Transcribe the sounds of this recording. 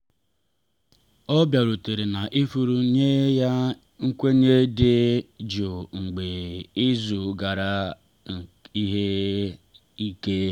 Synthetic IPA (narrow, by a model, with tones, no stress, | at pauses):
ɔ˦bja˨ɾu˨te˨ɾe˨na˨ʔi˦fu˨ɾu˦ɲe˦ja˦ | ŋ̩˦kʷe˦ɲe˦de˦d͡ʒo˨ŋ̩˨ɡ͡be˨ɪ˦zu˨ɡa˨ɾa˦˨ | i˦ɦe˦ | i˦ke˦